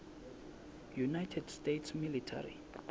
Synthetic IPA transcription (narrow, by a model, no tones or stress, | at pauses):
junajtʰɛdstetʰsmilitʰa̰rḭ